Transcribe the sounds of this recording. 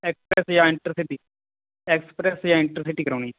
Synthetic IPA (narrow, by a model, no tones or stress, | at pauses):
ɛkspɾɛsjãːɪ̃ɳʈɾɪsɪʈiː | ɛkspɾɛsjãːɪ̃ɳʈɾɪsɪʈiːkəɾoːñiː